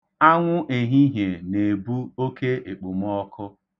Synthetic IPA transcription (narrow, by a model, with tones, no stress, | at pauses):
a˦ŋʷʊ˦ʔe˨ɦi˦ɦe˨ne˨bu˦o˦ke˦e˨k͡pu˨m˦ɔ˦kʰʊ˦